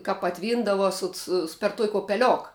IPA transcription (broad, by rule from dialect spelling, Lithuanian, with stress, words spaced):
kɐ pɐˈtʲʋʲiːndɐʋɐ sʊt ˈsʊ pʲɛr tuɔkʲ oːpʲɛˈlʲoːk